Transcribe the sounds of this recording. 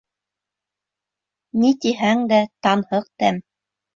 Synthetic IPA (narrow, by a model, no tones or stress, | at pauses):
nit̪iɦæŋd̪æt̪ɑnhɤq̚t̪æm